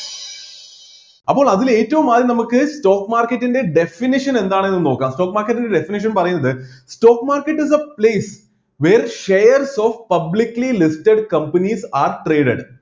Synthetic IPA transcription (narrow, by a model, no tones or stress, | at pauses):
ɐpːoːɭɐðile̞ːtːɐʋumaːd̪rinɐmukːɨsto̞ːkːmaːrkːɐtːinde̞ɖe̞finiʂɐne̞nd̪aːɳe̞nːɨno̞ːkːaːmsto̞ːkmaːrkːɐtːindeɖe̞finiʂ̬ɐnpɐrɐjunːɐðɨsto̞ːkːmaːrkːɐʈːis̬ɐpleːs | ʋeːrʂejɐrsoːfpɐblikːlilistɐɖkɐmpɐnisaːrʈreːɖḛɖ